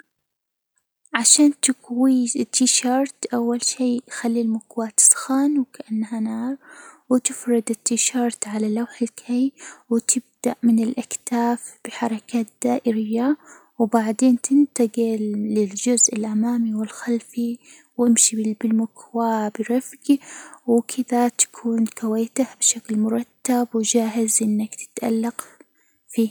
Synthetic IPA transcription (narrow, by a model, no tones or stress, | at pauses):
ʕaʃaːnt̪ɪkwit̪ːiʃɑːɾˤt̪ʔawːalʃiːxalːilmʊkwaːt̪ɪ̥sˤxaːnwkaʔanːhanɑːɾˤwɪt̪ɪfɾɪd̪ɪt̪ʰːiʃɑɾˤt̪ʕalalawħɪlkʰajwɪt̪ʰɪb̚d̪aʔmɪnɪlʔakt̪aːfb̥ɪħɑɾˤɑkaːt̪̚d̪̥aːʔɪɾɪjːa | wbaʕd̪eːnt̪ʰɪnt̪aɡɪlːɪld͡ʒʊzʔɪlʔamaːmiwɪlxalfi | wɪmʃibɪbɪlmʊkwaːbɪɾˤɑfɡiwɪkʰɪðat̪ḁkʰuːnkawaːt̪ahbɪʃaklmʊɾˤɑt̪ːabwɪd͡ʒaːɦɪzʔɪnːakt̪ɪ̥t̪ʔa̰lːaq | fiː